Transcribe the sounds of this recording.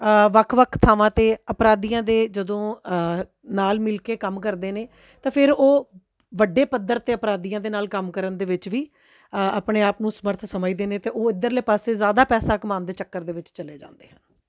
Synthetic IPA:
ʋəkʰʋəkʰt̪ʰaːʋãːt̪eːəpɾaːd̪iːãːd̪eːd͡ʒəd̪õː | naːlmɪlkeːkəmkəɾd̪eːneː | t̪ãːpʰɪɾoː | ʋəɖeːpəd̪ːəɾt̪eːəpɾaːd̪iːjãːd̪eːnaːlkəmkəɾənd̪eːʋɪt͡ʃʋiː | aːpɳeːaːpnũːsəməɾt̪ʰsəmaid̪eːneːt̪eːʔoːɪd̪əɾleːpaːseːzaːd̪aːpɛːsaːkəmaːnd̪eːt͡ʃəkːəɾd̪eːʋɪt͡ʃt͡ʃəleːd͡ʒã̰ːnd̪eːɦãː

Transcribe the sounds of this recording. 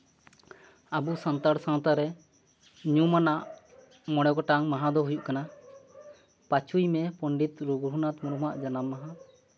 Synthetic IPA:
abusənt̪aɾsãw̃t̪aɾɛ | ɲumanaʔ | mɔɽ̃ɔɡɔʈaŋmaɦãd̪ɔɦujuʔkana | pat͡ʃʰujmɛpɔɳɖit̪ɾuɡɾunat̪muɾumaʔd͡ʒanamːaɦã

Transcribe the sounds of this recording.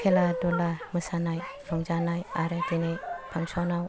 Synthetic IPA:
kʰeladolaməsanajpʰaŋd͡ʒanajaɾadinepʰaŋsɔnaw

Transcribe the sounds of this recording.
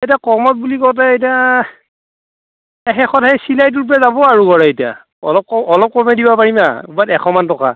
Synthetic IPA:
ejtiakɔmɔt̚bulikɔlt̬ɛetia | ɛxɛxɔtʰɛsilajt̬uɹpɹazabɔaɹukɔɹɛetia̰ | ɔ̰lɔp̚kɔɔlɔp̚kɔmɛdibapaɹima̰ubatɛxʰɔmantɔka̰

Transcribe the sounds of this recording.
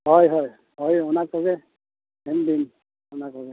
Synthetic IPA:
ɦɔjɦɔj | ɦɔjɔnakɔɡɛ | ɛmdin | ʊnakɔɡɛ

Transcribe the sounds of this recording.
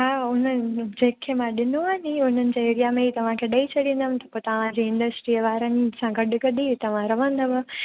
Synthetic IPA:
ɦaːʊn̤əd͡ʑeːkʰːemãɗɪnoaniʊn̤ənɪ̆d͡ʑaeɾijamẽɦiːt̪ɐʋ̤ãkʰeɗɐit͡ɕʰɐɽĩːn̆d̪əmɪ̃t̪ɐpot̪ɐʋ̤ãd͡ʑeːɪ̃ɳɖəsʈɾiəʋaːɾənsãɡɐɗɡɐɗit̪ɐʋ̤ãɾɐʋə̃nd̪əʋə

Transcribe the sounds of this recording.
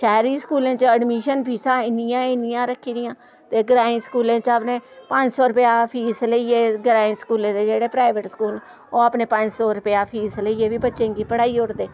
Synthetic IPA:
ʃɛːɾiːskuːlẽːt͡ʃəɖmiːʃənpiːsãːɪnɪjãːɪnɪjãːɾəkʰːiːd̪ɪjãː | t̪eːɡɾaːĩːskuːlẽːt͡ʃaːpneːpəɲd͡ʒsɔːɾʊpjaːpʰiːsləiːeːɡɾaːĩsə̥kuːlẽːd̪eːd͡ʒeːɽeːpɾaːɪʋəʈsə̥kuːl | oːaːpneːpəɲd͡ʒsɔːɾʊpɪjaːpʰiːsləieːbiːbətːʃẽːɡiːpəɽaːiːʊɽd̪eː

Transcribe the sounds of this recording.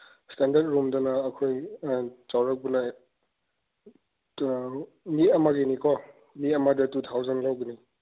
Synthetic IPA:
standɐɾt̚ɾumdɐnɐːkʰoj | t͡ʃawɾɐk̚bunɐ | miɐmaɡinikɔ | miɐmadɐtutʰawzɐnlawɡini

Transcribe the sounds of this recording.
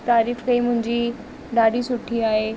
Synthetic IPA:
t̪aːɾiːfkɐimʊ̃ɦɪ̃ɲd͡ʑi | ɖaːɗisʊʈʰiaːɦe

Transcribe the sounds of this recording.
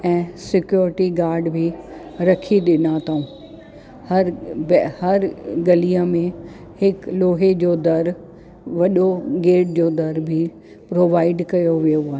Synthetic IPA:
ɛ̃ːsɪkjoːɾɪʈiɡaːɾɖbʱiɾɐkʰiɗɪnat̪ʰaũ | hɐɾbhɐɾɡɐliəmẽ | hɪkloːɦed͡ʑoːd̪ɐɾ | ʋɐɗoɡeːʈ̚d͡ʑoːd̪ɐɾbʱi | pɾoːʋaːɪɖkɐjoʋijoaːɦe

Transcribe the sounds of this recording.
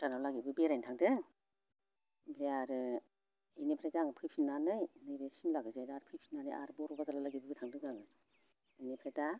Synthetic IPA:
tanawlaɡibɯbeɾajntʰaŋdɯ | beaɾɯ | enepʰɾajdaŋɯpʰɯjpʰinanɯjnɯjbesimlaɡɯzajdaɾɯpʰɯjpʰinanɯ̰jʔa̰ɾɯbɔɾɔbazalalaɡibɯɡɯtʰaŋdɯŋɡaŋɯ | inepʰɾajda

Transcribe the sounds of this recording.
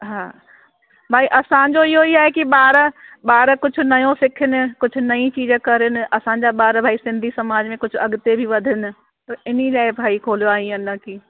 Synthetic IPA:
ɦaː | bʱaːiʔɐsãd͡ʑoɪɦoiaːɦekiɓaːɾɓaːɾkʊd͡ʑʱʊ̆nɐjõsɪkʰɪnɪ̆kʊd͡ʑʱʊ̆nɐĩt͡ɕiːd͡ʑkɐɾɪnɪ̆ʔɐsãɲd͡ʑaɓaːɾbʱaːisɪ̃nd̪ʱisɐmaːd͡ʑmẽkʊd͡ʑʱʊɐɠʊt̪ebʱiʋɐd̪ʱɪnɪ̆ | t̪ɐɪnilaːɪbʱaːikʰoːlijoaːɦĩɐnəkiː

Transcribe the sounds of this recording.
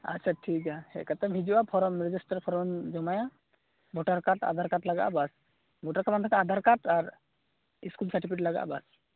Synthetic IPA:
a̰tːsʰaʈʰikahɛ̰kat̪ʰɔbʱid͡ʒiwapʰɔɾɔmɾɛd͡ʒisʈaɾpʰɔɾnd͡ʒɔmaja | bʱɔʈaɾkaʈa̰d̪ʱaɾkaʈlaɡa̰ʔbas | bʱɔʈaɾkamant̪ʰakaad̪ʱaɾkaʈaɾ | iskulsaʈipʰiʈilaɡa̰ʔbas

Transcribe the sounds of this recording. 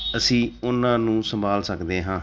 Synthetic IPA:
əsĩːʊnãːnũːsəmbʱaːlsəkd̪eːɦãː

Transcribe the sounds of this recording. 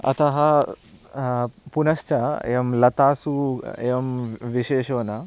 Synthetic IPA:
ɐ̰t̪ɐɦɐ | punɐʃt͡ʃɐḛːʋɐmlɐt̪aːsueːʋɐmʋiʃeːʃoːnɐ

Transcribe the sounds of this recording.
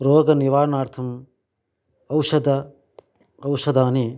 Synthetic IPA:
ɾoːɡɐniʋaːɾnaːɾt̪ʰɐm | ɐwʃɐd̪ɐ | ɐwʃɐd̪aːni

